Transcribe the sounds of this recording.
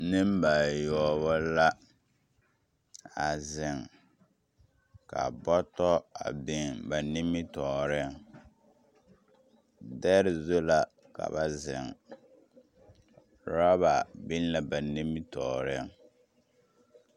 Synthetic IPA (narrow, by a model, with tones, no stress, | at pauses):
nɪ˦m˦ba˨jɔ˨˦βɔ˦la˦ | a˨zɪ˨ŋ | ka̰˨bɔ˦tɔ˦a̰˨bɪ˦ŋba˨nɪ˦mːɪ˦tɔː˨ɾɪ˦˨ŋ | dɛ˦ɾɪ˨zo˦la˦ | ka̰˨ba˨zɪ̰˨ŋ | ɾa˦ba˨bɪ˦n˦la˦ba˨ni˦mːɪ˦tɔː˨ɾɪ˦ŋ